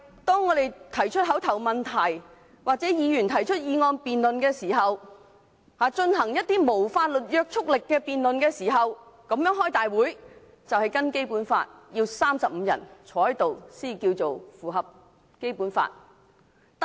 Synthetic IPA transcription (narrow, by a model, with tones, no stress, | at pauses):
t̪ɔː˥ŋːɔː˨˧t̪e˨jt̪ʰɐ˨˩jt͡ʃʰɵ˥t̚ɦɐ˨˥wt̪ʰɐ˨˩wmɐ˨nt̪ʰɐ˨˩j | waː˨˩k̚t͡sɛː˨˥jiː˨˧jyː˨˩nt̪ʰɐ˨˩jt͡ʃʰɵ˥t̚jiː˨˧ŋɔː˧npiː˨nlɵ˨nkɛː˧siː˨˩ɦɐ˨w | haː˨˧t͡ʃɵ˧nɦɐ˨˩ŋjɐ˥t̚t̪iː˥mo˨˩wfaː˧t̚lɵ˨t̚jœː˧k̚t͡ʃʰʊ˥k̚lɪ˨kːɛː˧piː˨nlɵ˨nkɛː˧siː˨˩ɦɐ˨w | kɐ˨˥mjœː˨˥ŋɦɔː˥jt̪aː˨jwuː˨˥j | t͡sɐ˨whɐ˨jkɐ˥nke˥jpuː˨˥nfa̰ː˧t̚jiː˧wsaː˥msɐ˨p̚m̩˨˧jɐ̰˨˩nt͡ʃʰɔː˨˧˥hɐ˨˥jt̪o˨wsiː˥i˨˩kiː˧wt͡so˨wfuː˨˩ɦɐ˨p̚ | ke˥jpuː˨˥nfa̰ː˧t̪̚